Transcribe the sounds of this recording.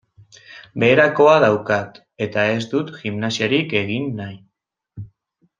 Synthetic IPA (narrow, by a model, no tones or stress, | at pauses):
be̞ːɾako̞aðawkat̪ | e̞t̪ae̞zd̪ut̪ʝimnasioɾike̞ɣ̞inːaj